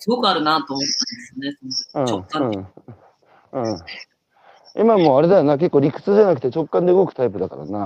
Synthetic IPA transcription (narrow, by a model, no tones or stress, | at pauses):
sɨɡo̞kɯ̟aɾɯ̟nat̪oːmot̪ːãnd̪esjonesonoɯ̃oãː | ɯ̟̃ | imamo̞ːaɾe̞d̪ajoːnak̬e̞kːoɾʲikɯ̟̥t͡sɨʑanakɯ̟̥t̪e̞t͡ɕo̞kːãnd̪e̞ɯɡokɯ̟̥t̪aip̬ɯ̟d̪aka̰ɾa̰na